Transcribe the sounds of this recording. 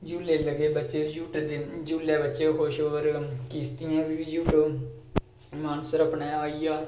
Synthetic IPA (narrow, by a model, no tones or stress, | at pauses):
d͡ʒuːleːləɡeːbətːʃeːd͡ʒuːʈːd̪ed͡ʒuːlɛːbətːʃeɦoːʃoːɾkiːst̪ɪjãːʋid͡ʒuːʈ | maːnəsəɾəpɳeːaːiːaː